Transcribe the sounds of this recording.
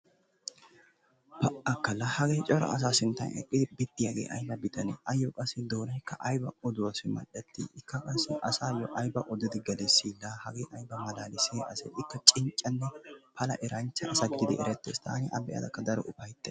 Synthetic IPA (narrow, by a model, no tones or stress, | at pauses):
pɐʔɐkːɐlɐhɐɡejt͡ʃʼɔɾɐ̰ɐs̬aːsɪnt̪ːɐ̰nɛ̰kʼːɪd̪ɪbɪt̪ːɪjaɡḛːʔɐ̰jbɐbɪt̪ʰɐnɛʔɐjːokʼɐsːɪd̪oːnɐjkːɐʔɐjbɐɔd̪ʊwɐsɪmɐ̰ɗɛt̪ːḭːɪkːɐkʼɐsːɪʔɐsaːjɔʔɐjbɐʔɔd̪ɪd̪ɪɡɐlɛsiːlːahɐɡeːʔɐjbɐmɐlaːlɪseːʔɐsɛ̰ɪkːɐt͡ʃʼɪɲt͡ʃʼːɐnːɛpʰɐlɐ̰ʔɛɾɐnt͡ʃːɐʔɐsɐɡɪd̪ɪd̪ɪʔɛɾɛt̪ːeːst̪ʰa̰ːnɪʔɐbɛja̰d̪ɐkːɐd̪ɐɾɔ̰ʔʊfɐjt̪ːɛ